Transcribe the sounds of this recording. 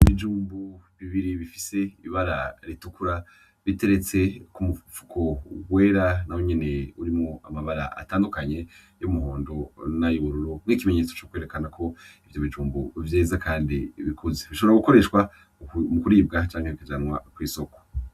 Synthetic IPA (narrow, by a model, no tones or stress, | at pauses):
iβid͡ʒuːmbuβiβiɾiβifi̥se̞iβaɾaɾitukuɾa | βite̞ɾe̞t͡se̞kumufukʰo̞ɡwe̞ːɾanahwoɲe̞ne̞uɾimŋo̞amaβaɾa̰ʔa̰taːndukaɲe̞ | jomuɦo̞ːndo̞najoβuɾuɾomŋiːkimeɲe̞ːt͡so̞̥t͡ʃokweːɾekanakʰo̞ifijoβid͡ʒuːmbuvjeːzakʰaːndḭβikʰuzeβiʃoβeɾaɡuko̞ɾe̞ʃkwa | mukuɾiːbɡat͡ʃaːŋheikad͡ʒanwakwiːso̞ko̥